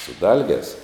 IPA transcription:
sʊ ˈdɐlʲɡʲɛːs

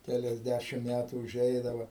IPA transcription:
kʲɛlʲɛzʲˈdʲæʃʲɪm ˈmʲætuː ʊˈʒʲɛɪdɐʋɐ

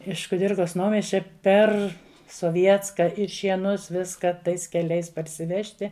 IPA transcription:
ɪʃ kʊˈdʲɪrkɐs ˈnɐʊmʲiɛsʲt͡ʃʲɛ ˈpʲɛr soːˈʋʲiɛtskɐ ɪr ʃʲiɛˈnʊs ˈʋʲɪskɐ ˈtɐɪs kʲɛˈlʲɛɪs pɐrʲsʲɪˈʋʲæːʃʲtʲɪ

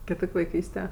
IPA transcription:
kʲɪˈtoːkʲ ʋɐɪˈkʲiːsʲtʲɛ

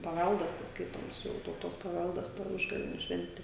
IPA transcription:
pɐˈʋʲælˠdɐs tɐs ˈskɐɪtoːms ˈjɛʊ tɐʊˈtoːs pɐˈʋʲælˠdɐs tɐ ˈʊʒɡɐʋʲeːnʲʊ ˈʃʲʋʲɛnʲtʲɪ

